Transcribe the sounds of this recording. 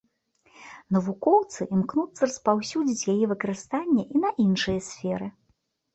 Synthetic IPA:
nɐvukɔwt̪sɨʔmknut̪sːɐrɐspawsʲud͡zʲit͡sʲjajɛvɨkɐɾɨst̪anʲːɐʔinɐʔinʂɨjɐsʲfʲɛɾɨ

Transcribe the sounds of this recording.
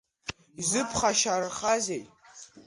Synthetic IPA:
izɨpʰχaʃarχazejtʼ

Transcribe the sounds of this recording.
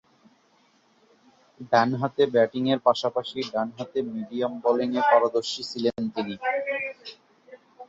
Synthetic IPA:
ɖanɦat̪ebɛʈiŋeɾpaʃapaʃiɖanɦat̪emiɖiambɔliŋepaɾad̪oɾʃit͡ɕʰilent̪ini

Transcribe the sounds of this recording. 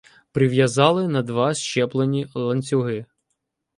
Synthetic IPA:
pɾɪʋjɐzɑlˠɪnɐd̪ʋɑʃt͡ʃɛplˠenʲilˠɐnʲt͡sʲʊɦɪ

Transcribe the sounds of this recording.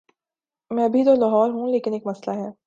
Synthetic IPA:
mɛ̃ːɐbʱid̪oːlɐɦɔːɾɦũleːkɪneːkmɐslaɦɛː

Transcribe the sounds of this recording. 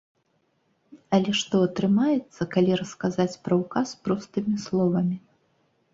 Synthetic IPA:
ɐlʲɛʂt̪ɔɐt̪ɾɨmajɛt̪sːɐkalʲiɾɐskazat͡sʲpɾɐwkaspɾɔst̪ɨmʲislˠɔvɐmʲi

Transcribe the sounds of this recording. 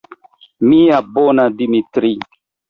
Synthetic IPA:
mĩabonadimitɾi

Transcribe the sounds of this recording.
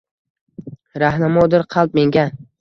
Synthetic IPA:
ɾahnamɒd̪ɪɾqʰɑlˠp̚me̞ŋɡʲa

